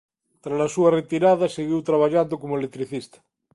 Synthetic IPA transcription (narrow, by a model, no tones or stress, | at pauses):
t̪ɾalasuaret̪iɾaðaseɣiwt̪ɾaβ̞aʎand̪okomoelek̚t̪ɾiθist̪ḁ